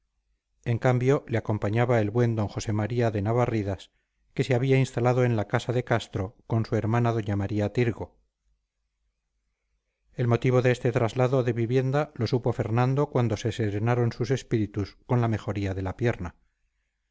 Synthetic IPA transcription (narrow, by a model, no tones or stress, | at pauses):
e̞ŋkambjo̞leako̞mpaɲaβae̞lβwe̞nd̪o̞ŋxo̞se̞maɾiaðe̞naβariðas | ke̞seaβiainst̪alaðo̞enlakasaðe̞kast̪ɾo̞ko̞nsue̞ɾmanaðo̞ɲamaɾiat̪iɾɣo̞ | e̞lmo̞t̪iβ̞o̞ðeest̪e̞t̪ɾazlaðo̞ðe̞βiβje̞nd̪alo̞supoafe̞ɾnãnd̪o̞kwand̪o̞se̞seɾe̞naɾo̞nsuse̞spiɾit̪usko̞nlame̞xo̞ɾiaðe̞lapje̞ɾna